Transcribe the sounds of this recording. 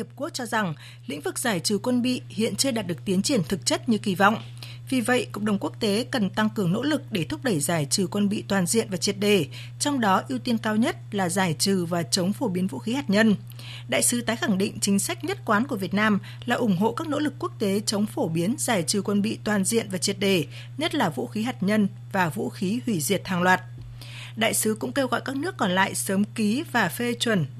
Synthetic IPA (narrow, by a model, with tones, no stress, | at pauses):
i˨˩ə˩p̚ku˦˥ək̚t͡ɕɔ˧za˨˩ŋ | lḭ̈˧˥ŋ̟vɨ˨˩k̚z̥aː˧˩jt͡ɕɨ˨˩kwə˧nɓḭ˧˨hḭ˧˨ənt͡ɕɨ˧ɗaː˨˩t̚ɗɨ˨˩ək̚t̪i˨˦nt͡ɕi˧˩ənt̪ʰɨ˨˩k̚t͡ɕə˦˥t̚ɲɨ˧ki˧˩vɔ̰˧˨wŋ͡m | vi˨˩və̰˧˨jkə̰˧˨ŋ͡mɗə˨˩wŋ͡mku˦˥ək̚t̪e˨˦kə˨˩nt̪a˧ŋkɨ˨˩əŋno̰˧˥lɨ˨˩k̚ɗe˧˩t̪ʰʊ˦˥p̚ɗə˧˩jzaː˧˩jt͡ɕɨ˨˩kwə˧nɓḭ˧˨t̪waː˨˩nzḭ˧˨ənvaː˨˩t͡ɕi˨˩ət̚ɗe˧˩ | t͡ɕɔ˧wŋ͡mɗɔ˨˦ʔi˧əwt̪i˧ənkaː˧wɲə˦˥t̚laː˨˩zaː˧˩jt͡ɕɨ˨˩vaː˨˩t͡ɕə˨˦wŋ͡mfo˧˩ɓi˨˦ənvṵ˧˥xi˨˦haː˨˩t̚ɲə˧n | ɗa̰ː˧˨jsɨ˨˦t̪aː˨˦jxa˧˩ŋɗḭ̈˧˨ŋ̟t͡ɕï˨˦ŋ̟sa˦˥jk̟̚ɲə˦˥t̚kwaː˨˦nku˧˩əvi˨˩ət̚naː˧m | laː˨˩ʔʊ˧˩ŋ͡mɦo̰˧˨kaː˦˥k̚no̰˧˥lɨ˨˩kːu˦˥ək̚t̪e˨˦t͡ɕə˨˦wŋ͡mfo˧˩ɓi˨˦ənzaː˧˩jt͡ɕɨ˨˩kwə˧nɓḭ˧˨t̪waː˨˩nzḭ˧ənvaː˨˩t͡ɕi˨˩ət̚ɗe˧˩ | ɲə˦˥t̚laː˨˩vṵ˧˥xi˨˦ɦaː˨˩t̚ɲə˧n | vaː˨˩vṵ˧˥xi˨˦hwi˧˩zḭ˨˩ət̚haː˨˩ŋlwaː˨˩t̚ | ɗa̰ː˧˨jsɨ˨˦kʊ̰˧˥ŋ͡mke˧wɣɔ̰˧˨jkaː˦˥k̚nɨ˦˥əkːɔ˧˩nla̰ː˧˨jsəː˨˦mki˨˦vaː˨˩fe˧t͡ɕwə˧˩n